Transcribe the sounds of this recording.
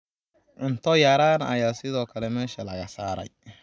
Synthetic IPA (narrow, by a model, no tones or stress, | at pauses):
ʔɪnt̪ʰɔjaːɾaːnɐɐjaːsɪðɔːkʰɐlɛmɛːʃɐlɐɣɐsaːɾɐ̰j